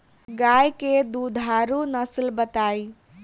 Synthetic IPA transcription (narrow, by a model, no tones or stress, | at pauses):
ɡajked̪ud̪ʱaɾunəslbət̪aj